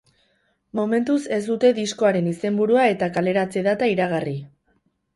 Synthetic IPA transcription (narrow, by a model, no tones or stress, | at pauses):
mo̞me̞nt̪use̞zd̪ut̪e̞ðisko̞aɾe̞nise̞mbuɾuae̞t̪akale̞ɾat͡se̞ðat̪aiɾaɣ̞ari